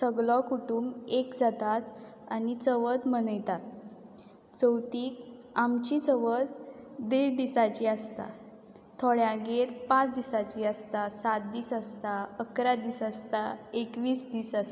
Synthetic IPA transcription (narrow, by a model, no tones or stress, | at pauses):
səɡlɔkuʈumekd͡zat̪at̪ | anit͡səʋəd̪mənəjt̪at̪̚ | t͡səwt̪iːk | amt͡ɕit͡səʋəd̪̚d̪eɾd̪isat͡ɕiast̪a̰ | t̪ʰoɭjãɡeɾpãt͡sd̪isat͡ɕiəst̪asat̪̚d̪iːsast̪aəkɾad̪iːsast̪aekʋiːsd̪iːsas